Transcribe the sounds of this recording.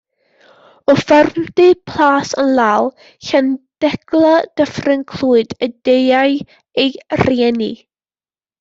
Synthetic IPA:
ɔfarmdɨpʰl̥aːsənlˠaːwlˠ | çand̥ɛɡlˠad̥əfrɪnkʰl̥ˠuːɨdədejaj | ejrjɛnḭ

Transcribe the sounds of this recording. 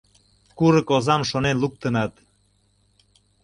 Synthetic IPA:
kuɾɤ̆kozɑmʃonenluk̚t̪ənɑt̪

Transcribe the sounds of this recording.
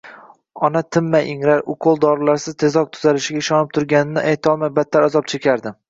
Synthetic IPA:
ɒnat̪ʰɪmːajʔɪŋɾaɾʊqʰolˠd̪ɒɾɪlaɾsɪz̥t̪ʰe̞zɒq̚t̪ʰʊzalɪʃɪɡʲaɪʃɒnɪp̚t̪ʰʊɾɡʲanɪnɪʔajt̪ʰɒlˠmajbat̪ʰːaɾazɒp̚t͡ʃʰekʲʰaɾd̪ɪ

